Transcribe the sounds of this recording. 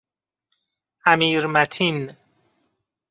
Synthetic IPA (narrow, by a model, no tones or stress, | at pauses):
ʔæmiːɾmæt̪ʰin